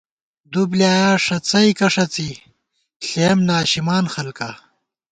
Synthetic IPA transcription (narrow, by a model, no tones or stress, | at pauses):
d̪ubljaːjaːʂɐt͡sɐjkɐʂɐt͡si | ɬeːmnaːɕimaːnxɐlka